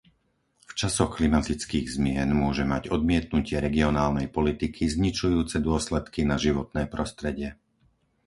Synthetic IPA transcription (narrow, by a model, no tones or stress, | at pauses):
ft͡ʃasɔxklimat̪it͡skiːɣzmɪɛnmʊɔʒɛmaɟɔd̪mɪɛt̪̚nucɪɛɾɛɡiɔnaːlnɛjpɔlit̪ikʰizɲit͡ʃujuːt͡sɛd̪ʊɔslɛt̪kinaʒiʋɔt̪nɛːpɾɔst̪ɾɛɟɪɛ